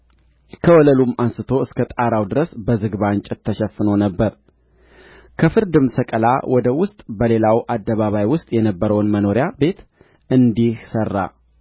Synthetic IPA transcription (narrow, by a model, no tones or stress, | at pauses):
kʰəwɔləlumansɨt̪ʰo̞ɨskʰət̪ʼaɾawd̪ɨɾəsbəzɨɡβant͡ʃʼɪt̪ʰːəʃɛfːɨnonəbːəɾ | kʰəfɨɾd̪ɨmsəkʼəla̰wɔd̪əwʊst̪ʼbəle̞lawʔad̪ːəβaβajwʊst̪ʼjɛnəbːəɾəwnməno̞ɾɪjabe̞t̪ | ɨnd̪ihsərːa̰